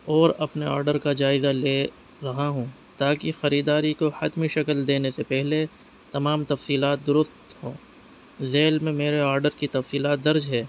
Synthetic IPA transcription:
ɔːɾɐpneɔ̰ːɾɖəɾkad͡ʒaːɪzaleː | ɾɐɦaɦũː | t̪aːkixɐɾiːd̪aːɾikohɐt̪miʃɐkəld̪eːnesepɛɦle | t̪ɐmaːmt̪ɐfsiːlaːt̪̚d̪ʊɾʊst̪ɦõː | zeːlmẽmeːɾeaːɾɖəɾkit̪ɐfsiːlaːt̪̚d̪ɐɾd͡ʒɦɛː

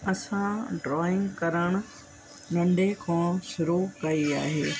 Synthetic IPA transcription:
ɐsãɖɾɔːɪ̃ŋɡkɐɾəɽ̃ʊ̆ | nɐ̃ɳɖʱekʰãːʃʊɾukɐiaːɦeː

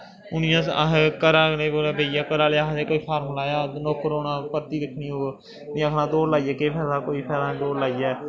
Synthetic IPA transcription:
ʊnɪjãːsa̰ɦkəɾãːneːoɾabeːjaːkəɾaːleaɦseːkoːiːpʰaːɾmlaːjaːnoːkəɾoːnãːpəɾt̪iːɾɪkʰnioː | nɪãːkʰnãːd̪oːɾlaːiɛːkepʰɛːdaːkoːiːpʰɛːɾãːd̪oːɾlaːiɛː

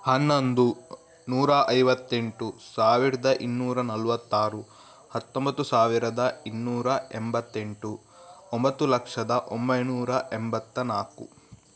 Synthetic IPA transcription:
hɐnːond̪u | nuːɾɐʔɐjʋɐt̪ːe̞ɳʈusaːʋiɾɐd̪ɐʔinːuːɾɐnɐlʋɐt̪ːaːɾu | hɐt̪ːombɐt̪ːusaːʋiɾɐd̪ɐinːuːɾɐɛmbɐt̪ːeɳʈu | ombɐt̪ːulɐkʂɐd̪ɐʔombɐjnuːɾɐʔɛmbɐt̪ːɐnaːkṵ

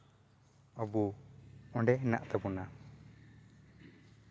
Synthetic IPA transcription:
ɔbu | ɔɳɖɛɦna̰ʔt̪ɛbuna

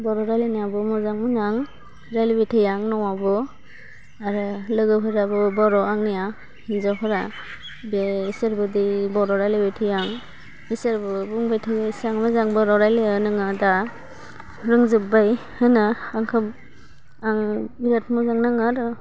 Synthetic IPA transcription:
bɔɾɔɾajlenabɯmɔzaŋmunaŋ | ɾalibejtʰajaŋnɔwabɯ | aɾɯlɯɡɯpʰɯɾabɯbɔɾɔaŋnija | hinzɔpʰɯɾa | beiseɾbɯdibɔɾɔɾajlibejtʰɯjaŋ | isaɾbɯbuŋbajtʰɯjsaŋmɯzaŋbɔɾɔɾajlianɯŋɯda | ɾɯŋzɯp̚bajhɯnaaŋkʰɯp | aŋbiɾat̚mɔzaŋnaŋaɾɯ

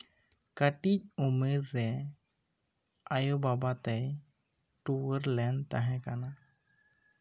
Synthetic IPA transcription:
kəʈic̚umeɾːɛ | ajobabat̪əj | ʈuwəɾlɛnt̪aɦɛ̃kana

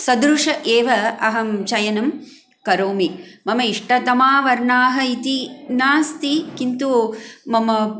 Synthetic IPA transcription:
sɐd̪ɾuʂɐʔeːʋɐɐɦɐmt͡ʃɐjɐnɐm | kɐɾoːmimɐmɐiʂʈɐt̪ɐmaːʋɐɾɳaːɦɐ̆it̪inaːst̪ikint̪umɐmɐ

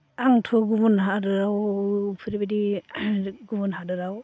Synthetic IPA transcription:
aŋtʰɔɡumunɦadɯɾawpʰɯɾibadi | ɡumunɦadɯɾaw

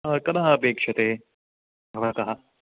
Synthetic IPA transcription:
kɐnɐɦɐɐpeːkʂɐt̪eː | bʱɐʋɐt̪ɐɦɐ̆

